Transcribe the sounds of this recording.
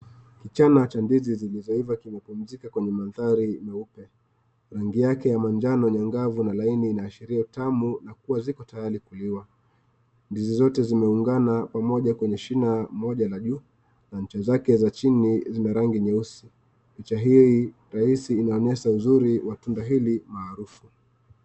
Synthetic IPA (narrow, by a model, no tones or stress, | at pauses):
kit͡ʃanat͡ʃandizizilizɔivakimɛpum̩zikakwɛɲɛmanðaɾimɛupɛ | ɾaŋɡijakɛjamand͡ʒanɔɲaŋɡavunalainiːnaːʃiɾiautamunak̚uwazikɔtajaɾikuliwa | ndizizɔtɛzimɛuŋɡanapamɔʄakwɛɲɛʃinamɔʄalaʄu | naɲ̩t͡ʃazakɛzat͡ʃinizinaɾaŋɡiɲɛusi | pit͡ʃaɦi | ɾahisiːnaɔnɛsauzuɾiwatundaɦilimaːɾufu